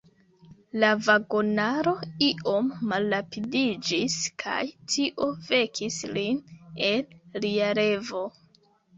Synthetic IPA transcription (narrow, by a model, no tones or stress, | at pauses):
lavaɡo̞naɾo̞iʔo̞mːalːapidid͡ʒiskʰa̰jtʰiʔo̞ve̞kʰisline̞nliaɾe̞vo̞